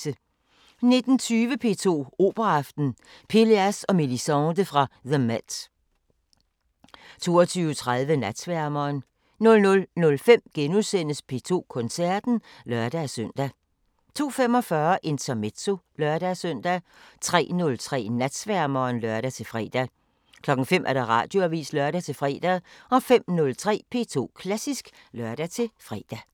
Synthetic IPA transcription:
ə | ne̝d̥n̩t͡sʰyːʋəpʰe̝̰ːt͡sʰo̝̰ːo̝̰ːb̥ɐɑ̈fd̥n̩ | pʰe̝leæsɒ̽milisɑʊnd̥əfʁɑ̈ðəmæ̥ | t͡sʰo̝̰ːɒt͡sʰyːʊt͡sʰʁaðˠʋənæd̥sʋæɐ̰mɐːn | nɔ̽lnɔ̽lnɔ̽lfem̰ɡ̥enuðˠsen̰əspʰe̝ːt͡sʰo̝̰ːkʰɔ̽nsæɐ̰d̥n̩ | lɶɐd̥æsøn̰d̥æ | t͡sʰo̝̰ːfem̰ɒ̽fɶɐʔe̝nt͡sʰɐme̝̥t͡sʰo̝lɶɐɾ̥æsœn̰d̥æ | t͡sʰʁɛ̰ːnɔ̽lt͡sʰʁɛ̰ːnæd̥sʋæɐmɐːnlœɐɾ̥æt͡sʰe̝lfʁɛ̰ːd̥æ | kʰlɒ̽ɡ̥ŋ̩fem̰ʔæɐd̥ɑ̈ʁɑ̰̈ːd̥jo̝æʋḭːslœɐɾ̥æt͡sʰe̝fʁɛ̰ːd̥æɒ̽fem̰nɔ̽lt͡sʰʁɛ̰ːpʰe̝̰t͡sʰo̝̰ːkʰlæsisɡ̥ | lɶɐd̥æt͡sʰe̝lfʁɛ̰ːd̥æ

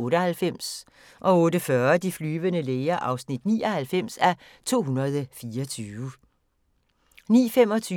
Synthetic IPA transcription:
ɔ̽ːɾəhælfem̰s | ʔɒ̽ɔ̽ːɾəfɶɐd̥iflyːʋənəleɪɐʔɑ̈ʊsnid̥nḭːɒ̽hælfem̰sæ | t͡sʰo̝̰ːɦunɐð̞ˠfiːɐɒt͡sʰyːʋə | nḭːfem̰ɒ̽t͡sʰy

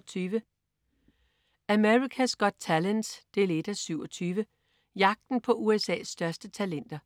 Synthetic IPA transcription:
t͡sʰyːʋə | æmeʁikʰæsɡ̥ɒ̽d̥̚t͡sʰælənsd̥e̝le̝d̥æsyʊ̰ɒt͡sʰyːʋə | jɑ̈ɡ̥̚d̥n̩pʰɒ̽ʔuesɛ̰ːsːd̥ɶɐsd̥ət͡sʰælen̰d̥ɐ

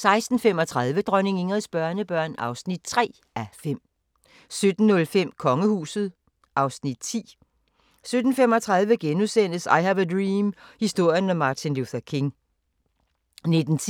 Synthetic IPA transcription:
sɑ̈ɪsd̥n̩fem̰ɒ̽t͡sʰʁɑðˠʋəd̥ʁœne̝ŋe̝ŋʁɐðˠsb̥ɶɐnəb̥ɶɐ̰nɑ̈ʊsnid̥̚t͡sʰʁɛ̰ː | æfem̰ | sød̥n̩ːɔ̽lfem̰kʰɒ̽ŋəhṵːsð̞̩ˠ | ʔɑ̈ʊsnid̥̚t͡sʰḭː | sød̥n̩femɒ̽t͡sʰʁɑ̈ð̞ˠʋəɡ̥enusen̰d̥əsɑ̈ɪhæʋəd̥ʁiːmhisd̥o̝ɐ̰jənæmɑ̈ːt͡sʰinluθɐkʰe̝ŋ | ne̝d̥n̩t͡sʰ

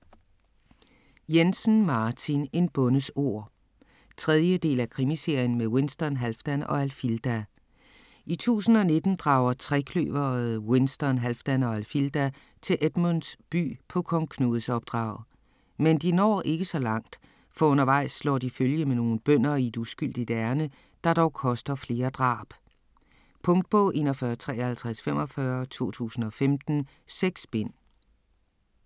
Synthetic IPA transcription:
jensn̩mɑ̈ːt͡sʰine̝nb̥ɔ̽nəso̝ɐ̰ | t͡sʰʁɛðˠjəd̥e̝̰ːlækʰʁimise̝ɐ̰jən̩meðˠwe̝nsd̥ɐnɦælfd̥ænɒ̽ælfild̥æ | ʔit͡sʰṵːsn̩ɒ̽ne̝d̥n̩d̥ʁɑ̈ʊɐt͡sʰʁɛkʰlø̰ːʋɐðˠwe̝nsd̥ɒnɦælfd̥ænɒ̽ælfild̥æ | t͡sʰe̝lʔed̥munsb̥y̰ːpʰɒ̽kʰɒ̽ŋkʰnṵð̩ˠsɒ̽b̥̚d̥ʁɑ̰̈ʊ̰ð̩ˠ | mend̥inɒ̰ːʔe̝ɡ̥əsɒ̽lɑ̈ŋ̰d̥ | fɒ̽ɔ̽nɐʋɑ̈ɪ̰slɒ̰ːd̥iføljəmeno̝ːn̩b̥œn̰ɐied̥usɡ̥yl̰d̥id̥æɐnə | d̥ɑ̈ɾ̥ɒʊkʰɒ̽sd̥ɐfle̝ːɐd̥ʁɑ̰̈ːb̥ | pʰɔ̽ŋd̥̚b̥ʰɔʔe̝̰ːnɒfɶːɐt͡sʰʁɛ̰ːɐhælt͡sʰʁasfem̰ɒ̽fɶɐt͡sʰo̝̰ːt͡sʰṵːsn̩ɒ̽femd̥n̩ | seɡ̥sb̥en̰

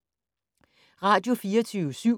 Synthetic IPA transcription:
ʁɑ̈ːd̥jo̝fiːɐɐt͡sʰyːʊəsy̰

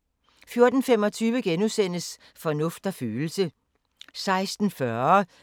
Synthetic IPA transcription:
fjo̝ɐd̥n̩fem̰ɒ̽t͡sʰyːʋəɡ̥enusen̰əs | fɒ̽nɔ̽fd̥ɐfyːl̩sə | sɑ̈ɪsd̥n̩fɶ

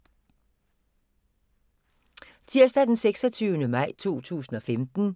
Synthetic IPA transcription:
t͡sʰiɐsd̥æd̥enseɡ̥sɒt͡sʰyːʊnəmɑ̈ɪ̰t͡sʰo̝̰ːt͡sʰṵːsn̩ɒ̽femd̥n̩

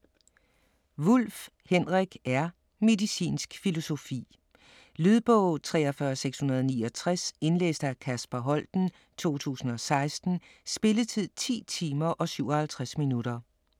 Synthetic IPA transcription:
ʋol̰f | henʁɛɡ̥æɐ | me̝ðˠisḭːnsɡ̥filo̝so̝fḭː | lyðˠb̥ɔʊ̰t͡sʰʁɛːɒ̽fɶɐseɡ̥shunɐð̞ˠɒniːɒ̽t͡sʰʁase̝nlḛːsd̥ækʰæsb̥ɐɦɒ̽l̰d̥n̩ | t͡sʰo̝̰ːt͡sʰṵːsn̩ɒ̽sɑ̈ɪsd̥n̩sb̥e̝lət͡sʰið̞̰ˠt͡sʰḭːt͡sʰiːmɐʔɒ̽syʊ̰ɒ̽hælt͡sʰʁasminuɾ̥ɐ

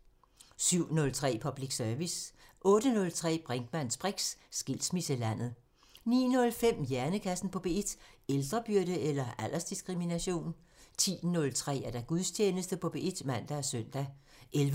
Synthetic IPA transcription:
syʊ̰nɔ̽lt͡sʰʁɛ̰ːpʰɒ̽b̥liɡ̥sœɐʋis | ʔɔ̽ːɾ̥ənɔ̽lt͡sʰʁɛ̰ːb̥ʁaŋd̥mæn̰sb̥ʁɛɡ̥ssɡ̥il̰smisəlæn̰ð̩ˠ | nḭːnɔ̽lfem̰jæɐnəkʰæsn̩pʰɒ̽b̥e̝ed̥eld̥ʁɐb̥yɐ̰ɾəelɐæl̰ʔɐsd̥isɡ̥ʁiminæɕo̝̰ːn | t͡sʰḭːnɔ̽lt͡sʰʁɛ̰ːæɐd̥æɡ̥uðˠst͡ɕʰeːnəsd̥əpʰɒ̽b̥eed̥mæn̰d̥æsœn̰d̥æ | ʔelʋ

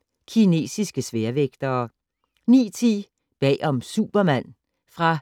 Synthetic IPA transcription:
kʰine̝̰ːsisɡ̥əsʋeɐʋeɡ̥d̥ɐː | nḭːt͡sʰi | b̥ɛ̰ːʔɒ̽msṵb̥ɐmæn̰ | fʁɑ̈

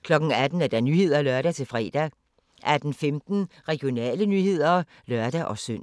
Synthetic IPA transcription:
kʰlɒ̽ɡ̥n̩æd̥n̩æɐd̥ænyːɦe̝ð̞̰ˠɐlœɐɾ̥æt͡sʰe̝lfʁɛ̰ːd̥æ | ʔæd̥n̩femd̥n̩ | ʁɛɡ̥jo̝nɛ̰ːlənyːhe̝ð̞̰ˠɐ | lɶɐd̥æʔɒ̽søn̰

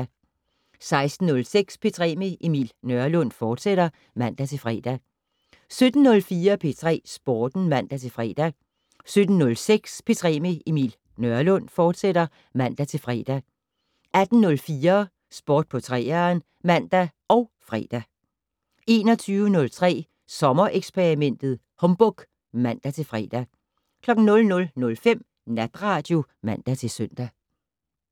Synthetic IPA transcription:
sɑ̈ɪsd̥n̩ːɔ̽lseɡ̥spʰe̝t͡sʰʁɛ̰ːmeʔimḭlnœɐlɔ̽n̰fɒːd̥seɾ̥ɐ | mæn̰d̥æt͡sʰe̝lfʁɛ̰d̥æ | sød̥n̩ːɔ̽lfiːɐpʰe̝t͡sʰʁɛ̰ːsb̥oːd̥n̩mæn̰d̥æt͡sʰe̝lfʁɛ̰ːd̥æ | sød̥n̩ːɔ̽lseɡ̥spʰe̝t͡sʰʁɛ̰ːme̝imḭl | nœɐlɔ̽n̰fɒːd̥seɾ̥ɐ | mæn̰d̥æt͡sʰe̝lfʁɛ̰ːd̥æ | ʔæd̥n̩nɔ̽lfiːɐ | sb̥oːd̥̚pʰɒ̽t͡sʰʁɛ̰ːɐːn | mæn̰d̥æɒ̽ʊfʁɛ̰ːd̥æ | e̝ːnɒ̽t͡sʰyːʊənɔ̽lt͡sʰʁɛ̰ː | sɒ̽mɐʔeɡ̥spʰe̝ʁimen̰d̥ð̩ˠ | hɒ̽mb̥ɔɡ̥ | mæn̰d̥æt͡sʰe̝lfʁɛ̰ːd̥æ | kʰlɒ̽ɡ̥n̩nɔ̽lnɔ̽lnɔ̽lfem̰ | næd̥ʁɑ̈ːd̥jo̝mæn̰d̥æt͡sʰe̝lsøn̰d̥æ

